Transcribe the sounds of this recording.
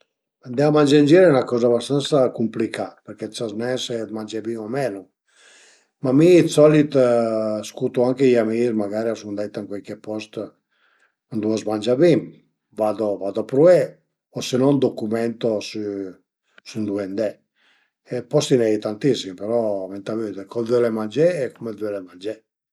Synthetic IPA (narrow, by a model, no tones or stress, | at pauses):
and̪ɛamand͡ʒand͡ʒiɾɛunakɔːzabast̪ant̪sakumplikapeɾkɛsaznɛsɛd̪mand͡ʒebimamɛːnu | mamiːsɔlit̪ | skut̪uaŋkejamiɾmaɡaɾiasund̪ɛt̪ːaŋkwɛlkepɔst̪ | nd̪uazmand͡ʒabim | vad̪ovad̪opɾuɛ | ɔsenɔnd̪ɔkumɛnt̪osy | synd̪uɛnd̪ɛ | epɔst̪inɛjt̪ant̪isːimpeɾɔvɛnt̪avød̪ekɔdwɛlemand͡ʒɛːkɔmɛd̪wɛlemand͡ʒɛ